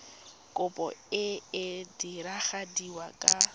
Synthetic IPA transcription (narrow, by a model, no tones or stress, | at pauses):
kʼʊpʼɔ̰ɪɪdiɾaχadiwakʼa